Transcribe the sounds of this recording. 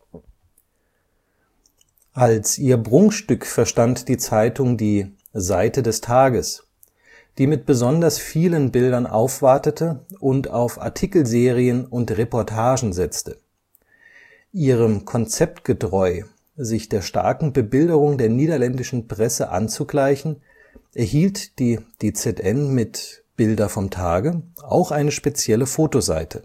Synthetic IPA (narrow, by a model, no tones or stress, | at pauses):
ʔalsʔiːɐbʁʊŋʃtʏkfɛɐʃtantd̥iːt͡saɪtʰʊŋdiː | zaɪtədɛstʰaːɡəs | d̥iːmɪt̚b̥əzɔndɐsfiːlənbɪldɐnʔa̰ʊfv̥aɐtətʰəʔʊntaʊfʔa̰ɐtʰikl̩zeːʁ̞iənʊntʁepɔɐtʰaːʒn̩zɛt͡stə | ʔiːʁ̞əmkʰɔnt͡sɛp̚tɡ̥ətʁ̥ɔʏ | zɪçd̥eːɐʃta̰ɐkŋ̩bəbɪldəʁ̞ʊŋdeːɐniːdɐlɛndɪʃn̩pʁ̥ɛsəʔa̰nt͡suɡlaɪçn̩ | ʔɛɐhiːltd̥iːd̥eːt͡sɛtʔɛnmɪt | b̥ɪldɐfɔmtʰaːɡəʔa̰ʊxʔaɪnəʃpet͡sjɛləfoːtoza̰ɪtʰə